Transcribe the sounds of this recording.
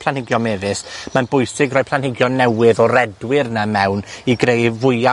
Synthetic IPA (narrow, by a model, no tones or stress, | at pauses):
pʰlˠanhɪɡjɔmɛːvɨsmanbʊjsɪɡrɔːj̚pʰlˠanhɪɡjɔnɛwɪðɔrɛdwɪrnamɛwniɡrejvʊɨa